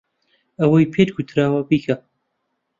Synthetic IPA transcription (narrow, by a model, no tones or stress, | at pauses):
ɐwɐjpʰeːt̪ɡut̪ʰɾaːwɐbikʰa